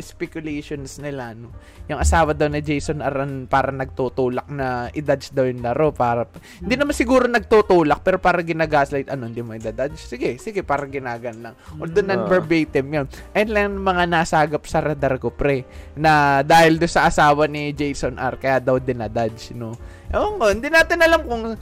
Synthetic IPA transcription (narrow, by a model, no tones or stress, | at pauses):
ʔɛspɛkjʊlɛjʃonsnɪlano | jʊŋʔɐsaːwɐd̪ɐwnɐd͡ʒɛjsonʔɐɾʔɐnpaːɾɐnɐɡ̚t̪ut̪uːlɐk̚nɐʔɪd̪ad̪sd̪ɐwjʊŋlɐɾo̞paːɾɐhɪnd̪inɐmansɪɡuːɾo̞nɐɡ̚t̪ut̪uːlɐk̚pɛːɾo̞paːɾɐŋɡɪnaːɡaːslajt̪̚ʔɐnoɪnd̪imoɪd̪ad̪adt͡ʃsɪɡɛsɪɡɛpaːɾɐŋɡɪnaːɡɐnlɐŋod̪ʊnːɐnbɛɹbɛjt̪ɛmjonʔɐjɐnlɐjnʊmɐŋanaːsaːɡɐp̚sɐɾɛd̪ɐɾkopɾɛnɐd̪aːhɪld̪ʊnsɐʔɐsaːwɐnɪd͡ʒɛjsonʔɐ̰ɾkɐjaːd̪ɐwd̪ɪnad̪adt͡ʃno | ʔoŋohɪnd̪ɪnaːt̪ɪnɐlamkʊŋ